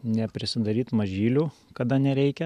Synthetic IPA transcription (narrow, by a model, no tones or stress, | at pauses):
nʲɛpʲɾʲɪsʲɪd̪ɐɾʲiːt̪mɐʒʲiːlʲuːkɐd̪ɐnʲɛɾʲɛɪkʲɛ